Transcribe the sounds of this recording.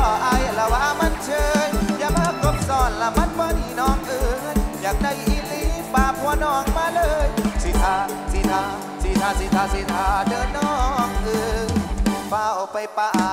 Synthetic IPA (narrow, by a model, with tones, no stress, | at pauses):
ɔ˧˩ʔa˧˩jla˧waː˧˩ma˧˥˨nt͡ɕʰɤː˧jja˧˥paː˧ko˧˦p̚sɔː˧˩nla˧˩ma˧˥˨nbɔː˧˦niː˧˩nɔː˧˩ŋʔɯː˧jaː˨˩ŋna˧˩jʔi˧˦liː˧˦paː˧˩pʰu˧˩ənɔː˧˩ŋmaː˧lɤː˧˨˧jsi˧t̪ʰaː˧˩ | si˧˩t̪ʰaː˧˩ | si˧˩t̪ʰaː˧˩si˧t̪ʰaː˧si˧˦t̪ʰaː˧˩dɤː˧nnɔː˧˩ŋʔɯː˧˩˧ŋpaː˧˩ɔ˨˩pa˧˨jpaː˧